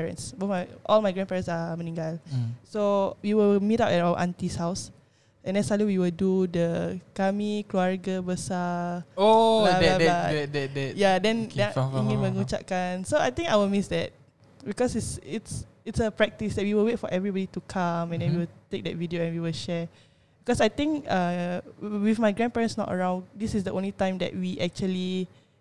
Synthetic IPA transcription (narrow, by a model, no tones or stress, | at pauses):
ɛɹə̰̃nsbɔmajʔɔlmajɡɹɛ̃npɛɹə̃ntsamənĩŋɡalsowiwəlmitaʊʔɛtawə̰ʔãnt̪ishaʊs | ʔɛ̃nɛsaliwiwildudəkamikɹoaɹɡəbəsaolaabaɛdɛdɛjadɛ̃nɛ̃iŋĩnməŋut͡ʃa̰ʔkãnsoajt̪ĩŋkajwəlmisdɛt̚ | bikɔsitsɪts | itsəpɹɛk̚tisdɛt̚wiwilwet̚fɔʔɛvɹibɔditukʰãmɛ̃ndɛ̃nwiwilt̪ek̚dɛtvidioɛ̃nwiwilʃɛ | bikɔsajt̪ĩŋkã | wifmajɡɹɛ̃npɛɹə̃nsnɔ̰tə̰ɹãw̃ndisisdəʔõnlitãj̃mdɛ̰t̚wiʔɛk̚t͡ʃuəli